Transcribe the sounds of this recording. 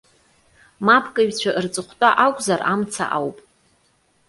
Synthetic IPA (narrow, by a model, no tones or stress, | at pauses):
mapʰkʼɨɥᶣt͡ɕʷʰaʔɨrt͡sʼɨχʷtʼaʔakʷʼzaramt͡sʰa̰ʔawpʼ